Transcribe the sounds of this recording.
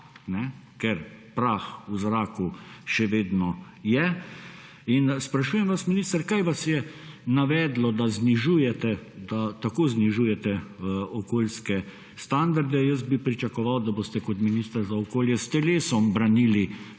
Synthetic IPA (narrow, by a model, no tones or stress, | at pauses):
nɛ | kɛɾpɾaːxuzɾaːkuʃɛʋeːd̪nɔ | jɛ | inspɾaʃuːjɛmʋasminiːst̪əɾkajʋasjɛnaʋɛːd̪lɔd̪azniʒuːjɛt̪ɛd̪at̪akoːzniʒujɛt̪ɛɔkoːlskɛ | st̪and̪aɾd̪ɛjəs̬bipɾit͡ʃakɔʋawd̪aboːst̪ɛkɔt̪minist̪ɐɾzaɔkoːljɛst̪ɛleːsɔmbɾanili